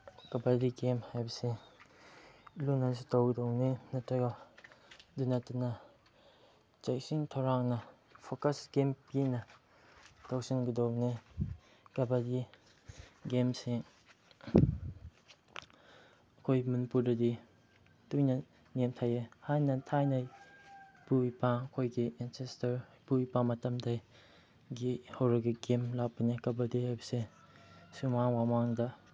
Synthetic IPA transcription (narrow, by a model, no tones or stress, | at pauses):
ɡabadiɡemhajbɐse | lunansitawɡədownenɐtɾɐɡɐ | dunatunɐ | t͡ʃajsiŋtʰawɾaŋnɐ | pʰokɐsɡempinɐ | tawsinɡədowne | ɡabadi | ɡemse | ɐkʰojmɐnipuɾdɐdi | tujnɐ | nemtʰajehajnɐtʰajnɐ | puipaɐkʰojɡiɛnsestɐɾbuipamɐtɐmdaj | ɡihɐwɾɐɡiɡemlak̚pɐnikɐbɐdihajbɐse | sumaŋwamaŋdɐ